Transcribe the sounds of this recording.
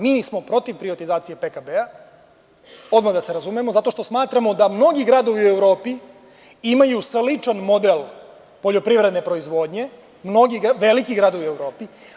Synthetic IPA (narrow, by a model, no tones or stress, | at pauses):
miːsmo̞pɾo̞t̪iʋpɾiʋat̪izaːt̪sije̞pekabea | o̞d̪maɣd̪ase̞ɾazumeemozat̪o̞ʃt̪o̞smaːt̪ɾamo̞d̪amno̞ɡiɡɾaːd̪o̞ʋiuevɾo̞ːpi | imajuslit͡ʂanmo̞d̪el | po̞ʎo̞pɾivɾed̪ne̞pɾo̞izʋo̞ːd̪ɲe̞ | mno̞ɡiɡʋe̞likiɡɾaːd̪oʋiuevɾo̞ːpi